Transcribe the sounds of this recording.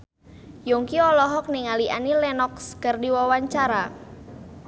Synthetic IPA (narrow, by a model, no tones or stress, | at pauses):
juŋkiɔlɔɦɔk̚niŋaliʔa̰nilɛnɔkskərdiwawaɲt͡ʃaɾa